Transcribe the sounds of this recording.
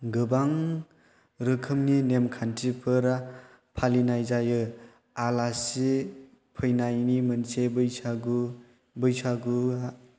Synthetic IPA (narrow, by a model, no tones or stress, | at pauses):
ɡɯbaŋ | ɾɯkʰɯmninemkʰantʰipʰɯɾa | pʰalinajzajɯ | alasi | pʰɯjnajnimɯnsebɯjsaɡu | bɯjsʰaɡua